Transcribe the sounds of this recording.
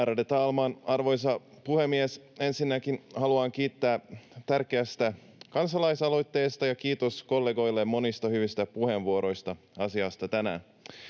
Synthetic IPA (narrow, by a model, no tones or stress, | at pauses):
æːɾɑdet̪ɑːlmɑːnɑrʋo̞js̬ɑ | puhemːiese̞nsinːækinhɑluɑːŋk̟iːt̪ːæːt̪ærkeæst̪æ | kɑnsɑlɑjsɑlo̞jt̪ːe̞ːst̪ɑjɑk̟iːt̪o̞sko̞lːeɡo̞jlːemːo̞nist̪ɑhyʋist̪æpuhe̞nʋuoɾo̞jst̪ɑ | ɑsiɑst̪ɑt̪ænæ̰